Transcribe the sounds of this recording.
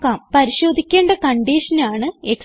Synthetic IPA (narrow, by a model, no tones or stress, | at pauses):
kːaːmpɐɾiɕo̞ːd̪ʱikʲːeːɳɖɐkɐɳɖiːʂɐnaːɳɨe̞ks